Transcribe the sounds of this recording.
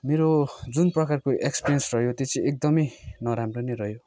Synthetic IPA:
meɾod͡zunprʌkarkoʔekspeɾjʌnsrʌɦjot̪et͡sʰĩʔek̚d̪ʌmʌjnʌɾamronʌjrʌjo

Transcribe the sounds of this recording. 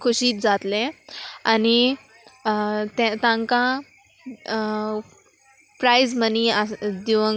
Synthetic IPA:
kʰuɕiːt̪̚d͡zat̪lẽani | t̪ãt̪ãŋkã | pɾajzməniad̪iʋə

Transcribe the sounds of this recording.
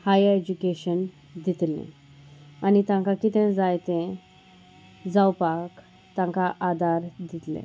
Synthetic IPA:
hajed͡ʑukeɕən | d̪it̪lḛ̃ | anit̪ãŋkakit̪ẽd͡zajt̪ẽ | d͡zawpak | t̪ãŋkaʔad̪aɾd̪it̪lḛ̃

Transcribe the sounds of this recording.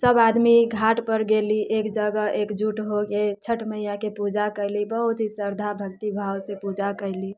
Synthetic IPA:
səbad̪miɡʱaʈpəɾɡeliʔekd͡ʒəɡəʔekd͡ʒuʈɦoɡet͡ʃʰəʈʰməɦijakepud͡ʒakəɪlibəɦut̪ɦisəɾd̪ʱabʱəkt̪ibʱawsepud͡ʒakəɪli

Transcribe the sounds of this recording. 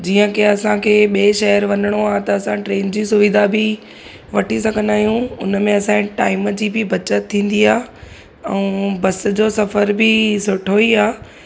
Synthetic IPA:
d͡ʑiːə̃keɐsãkʰeːɓiːʃɐjəɾʋɐnəɽ̃oaːt̪ɐɐsãʈɾeːnd͡ʑiːsʊʋɪd̪ʱabʱɪ | ʋɐʈʰisɐɡʱə̃nd̪aːɦijũʊnmẽɐsãʈaːɪmd͡ʑiːbʱɪbʱɐt͡ɕət̪ʰːĩːn̆d̪iaː | ɛ̃ːbɐs̆d͡ʑoːsɐfəɾbɪsʊʈʰoiaː

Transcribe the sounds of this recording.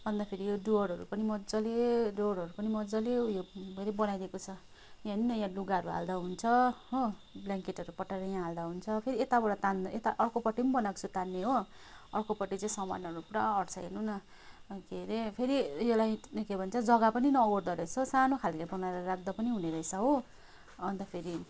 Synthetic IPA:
bʱʌnd̪apʰeɾijoɖoʌɽʌɾṵpʌnimʌd͡zʌleɖoɽʌɾupʌnimʌd͡zʌlejobeɾebʌnajd̪ekot͡sʰʌ | jãninʌjãluɡaʌɾuɦa̰ld̪aɦunt͡sʰʌɦobljaŋkeʈʌɾupʌʈːaɾʌjãɦald̪aɦunt͡sʰʌpʰeɾiet̪abʌɽʌt̪and̪et̪aʔʌrkopʌʈːinbʌnakt͡sʰut̪anːeɦo | ʌrkopʌʈːit͡saĩsʌma̰nːʌɾupɽʌʌɽt͡sʰʌɦḛnunʌ | keɾepʰeɾijolajkebʱʌnt͡sʰʌd͡zʌɡapʌninʌoɽd̪ʌɾʌjt͡sʰʌsanokʰalkebʌnaɾʌɾak̚ʰd̪ʌpʌniɦuneɾʌjsʰʌɦo | ʌnt̪ʌpʰeɾi

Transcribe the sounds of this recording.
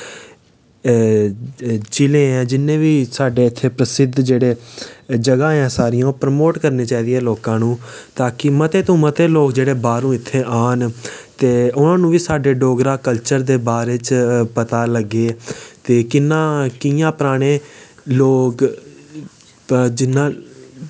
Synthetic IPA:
t͡ʃɪlẽːɛ̃ːd͡ʒɪnːẽːʋiːsaːɖeːɪt̪ʰːeːpɾəsɪd̪ʱd͡ʒeːɽeːd͡ʒəɡãːɛ̃ːsaːɾɪjãːpɾəmoːʈkəɾneːt͡ʃaːiːd̪iɛːloːkãːnũːt̪aːkɪmət̪eːt̪õːmət̪eːloːkd͡ʒeːɽeːbaːɾũːɪt̪ʰːeːʔaːnt̪eːʊnãːnũːʋiːsaːɖeːɖoːɡɾaːkəlt͡ʃəɾd̪eːbaːɾeːt͡ʃpət̪aːləɡːeːt̪eːkɪnːãːkɪjãːpɾaːɽ̃eː | loːk | d͡ʒɪnːãː

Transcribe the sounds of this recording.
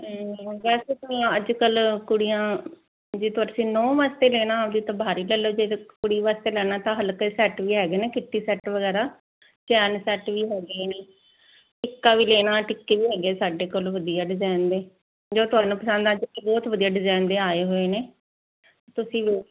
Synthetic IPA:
ʋɛːseːk̪əlãəd͡ʒkəlkʊɽijãː | d͡ʒeːt̪ʊaːɾsĩːnɔ̃ːʋaːst̪eːlɛːnãːʋd̪iːt̪ãbaːɾiːlɛːloːd͡ʒeːkʊɽiːʋaːst̪eːlɛːnãːt̪ãːɦəlkːsɛːʈʋiːɦɛːɡeːneːkɪʈːiːsɛːʈʋəɡɛːɾaː | t͡ʃɛːnsɛːʈʋiːɦɛːɡeːneː | ʈɪkːaːʋiːleːnaːʈɪkːeːʋiːɦɛːɡeːsaːɖeːkoːlʋəd̪ijaːɖɪzaːnd̪eː | d͡ʒoːt̪ʊɦaːnũːpəsə̃nd̪ãd͡ʒkːbɔːt̪ʋəd̪ijaːɖɪzaːnd̪eːaːeːɦoːeːneː | t̪ʊsĩːʋeː

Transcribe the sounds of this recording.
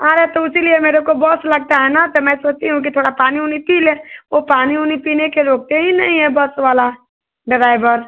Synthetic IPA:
ɦãːɾɛt̪oʊsiliemeːɾekobɔslɐɡ̚t̪aɦɛnat̪omɛ̃ːsoːt͡ʃt̪iɦũk̬it̪ʰoːɽapaːniɦunipiːlẽopaːniɦuːnipiːnekeɾoːk̚t̪eɦinɐ̰ɦĩɦɛbɔsʋaːla | ɖɪɾaːɪbəɾ

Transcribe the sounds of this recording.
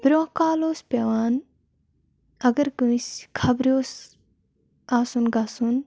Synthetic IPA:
b̥ɾʲoãkaːloːspʲeʋaːn | ɐɡɐɾkuiskʰɐbɾʲoːs | aːsunɡasun

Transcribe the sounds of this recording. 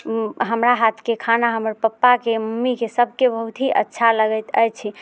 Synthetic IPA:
ɦəmɾaɦat̪ʰkekʰanaɦəməɾpəpːakeməmːikesəb̚ʱkebəɦut̪ɦiʔə̰tːʃʰaləɡəjt̪əjt͡ʃʰi

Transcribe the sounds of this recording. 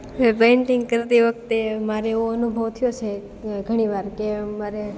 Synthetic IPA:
ʋepeɪɳʈɪŋɡkəɾt̪iʋək̚t̪emaɾeoənubʱəʋt̪ʰijot͡ʃʰe | ɡʱəɽ̃iʋaɾkemaɾe

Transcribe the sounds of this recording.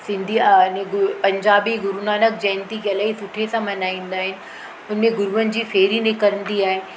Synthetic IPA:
sɪ̃nd̪ʱinẽɡʊpɐ̃ɲd͡ʑaːbiɡʊɾunaːnək̚d͡ʑɐ̃ɦɪ̃nt̪ikɐlaːɦisʊʈʰesãmɐnaːĩːn̆d̪aːɦɪnɪ̆ | ʊnmẽɡʊɾʋən̆d͡ʑiːfeːɾinɪkəɾə̃n̆d̪iaːɦe

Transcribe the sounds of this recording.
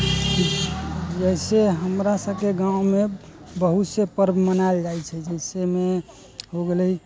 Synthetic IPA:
d͡ʒəiseɦəmɾasəbkeɡãũme | bəɦut̪sepəɾbʱmənald͡ʒajt͡ʃʰɛd͡ʒəseme | ɦoɡeləi

